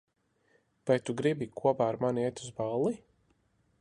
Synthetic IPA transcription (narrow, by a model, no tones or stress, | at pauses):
vajt̪uɡɾibikʰuɔpaːɾmaniɛt̪uzbalˠːi